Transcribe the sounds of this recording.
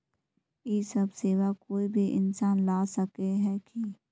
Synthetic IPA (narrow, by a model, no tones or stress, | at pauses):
jiːsɐbseːʋakoːibʱiʔɪ̰nsaːnlaːsɐkeɦɛːki